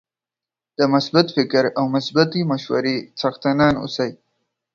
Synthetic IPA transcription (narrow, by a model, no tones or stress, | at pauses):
d̪̥əmʊsbat̪fɪkɾawmʊsbat̪imaʃwa̰ɾet͡saxt̪anɑnʊ̰saj